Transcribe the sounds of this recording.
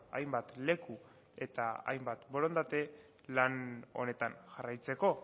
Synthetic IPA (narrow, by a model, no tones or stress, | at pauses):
a̰jmbat̪le̞ku | e̞t̪aa̰jmbat̪bo̞ɾo̞nd̪at̪e̞ | lano̞̰ne̞t̪anʝarajt͡se̞ko̞